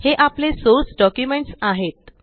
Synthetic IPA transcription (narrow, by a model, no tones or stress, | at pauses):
heʔaplesosɖɔkjumeɳʈsaɦet̪̚